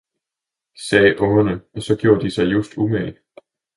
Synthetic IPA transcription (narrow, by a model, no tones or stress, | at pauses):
sɛːʔɔŋɐnəɒ̽sɒ̽ɡ̥jo̝ːɐd̥isɑ̈ɪjusd̥ume